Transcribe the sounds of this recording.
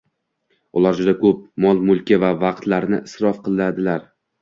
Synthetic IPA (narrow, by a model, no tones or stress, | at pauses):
ʊlˠaɾd͡ʒʊd̪akʰɵp̚mɒlˠmʊlˠkʲɪvavɑq̚t̪laɾnɪʔɪsɾɒfqɨlˠnad̪ɪlaɾ